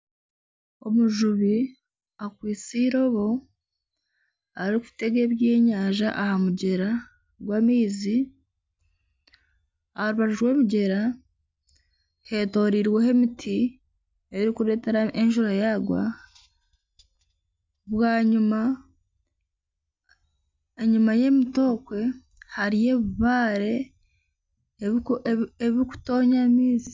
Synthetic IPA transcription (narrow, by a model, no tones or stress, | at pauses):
o̞̰muʒuβi | akwiːt͡siːɾo̞βo̞ | aɾɾiku̥fi̥te̞ɡe̞βjeːɲaːʒaʔahamuɟe̞ɾa | ɡwaːmiːzi | aɾuβaʒiʒwe̞ːmiɟe̞ɾa | he̞ːto̞ːɾiɾwe̞he̞mitʰi | eɾikuɾe̞te̞ɾaeɲʒuɾajaɡwa̰ | βwaːɲuma | eɲumaje̞mito̞kwe̞ | haɾije̞βiβaːɾe̞ | eβiku̥to̞ːɲamiːzi̥